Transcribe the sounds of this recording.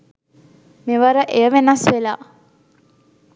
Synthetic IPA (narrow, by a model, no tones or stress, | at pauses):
meʋəɾəʔejəʋenasʋela̰ː